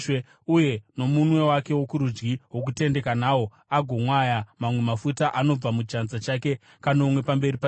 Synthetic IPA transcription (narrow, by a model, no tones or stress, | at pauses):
uje̞no̞munwe̞wake̞wokuɾud͡ʒɡiɦwo̞k̬ute̞nde̞kanaːwo̞ | aɡʱo̞mwajamamwe̞mafutaʔano̞b͡vamut͡ʃanzat͡ʃake̞ | kanoumwe̞pambe̞ripa